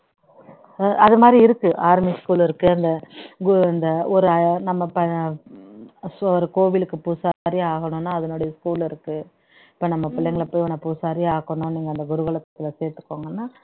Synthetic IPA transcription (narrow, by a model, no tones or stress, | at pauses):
ɐðɯmaːd̪ɾiɪɾɯkːɯʔaːɾmiskuːlɪɾɯkːɯɐnd̪ɐɡɐnd̪ɐɔɾɯnɐmːɐpɐ | sɔɾɯkoːʋɪlɯkːɯpusaɾiaːɣɐɳʊ̃nːaːɐðɐnoːɽɐjɐskuːlɪɾɯkːɯ | ɪɪpːoːnɐmːɐpɪlːɛŋɡɐɭpoːjʋɐnːɐpuːsaːɾiaːɣɐɳʊ̃niːŋɡɐnd̪ɐɡʊɾɯɣɐɭɐt̪ːɐ̥t̪ːɪlɐseːɾt̪ɯ̥kːoːŋɡɐnːaː